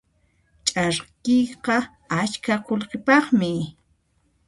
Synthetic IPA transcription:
t͡ʃʼaɾkɪjqɑ | at͡ʃkʰaqolqɪpɑχmɪ

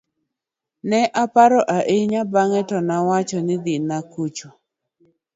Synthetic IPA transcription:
nɛʔapaɾɔʔaʔeɲabaŋɛtɔnawat͡ʃɔnɪd̪inakut͡ʃo

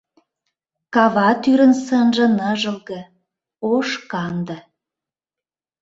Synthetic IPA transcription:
kɑβɑt̪yɾə̆nsənʒə̆nəʒə̆lɣə̆ | oʃkɑnd̪ə̆

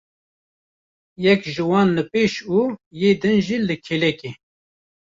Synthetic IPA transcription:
jɛkʒɨwɑːnləpeːʃuːjeːd̪ɨnʒiːlɨkʰelɛke

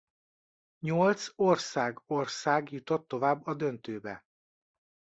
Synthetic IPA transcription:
ɲolt̪sorsaːɡorsaːɡjut̪o̞t̪ːo̞vaːbːɒd̪ønt̪øːbɛ

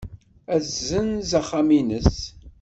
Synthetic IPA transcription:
æθzənzaχːaminəs

